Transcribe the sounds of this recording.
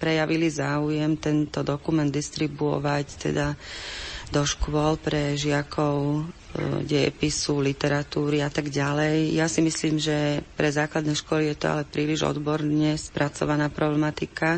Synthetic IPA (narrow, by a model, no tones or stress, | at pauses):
pɾɛjaʋilizaːujɛmt̪ɛnt̪ɔd̪ɔkumɛnd̪ːist̪ɾibuɔ̰ʋact̪ɛ̰d̪a | d̪ɔʃkʊɔlpɾɛʒɪakʰɔʊ | ɟɛ̰pisulit̪ɛɾat̪uːɾiat̪aɡɟalɛjjasimisliːmʒɛpɾɛzaːklad̪nɛjʃkʊɔlijɛt̪ɔ̰a̰lɛpɾiːliʒɔ̰d̪bɔɾɲɛspɾat͡sɔ̰ʋanaːpɾɔblɛmat̪ika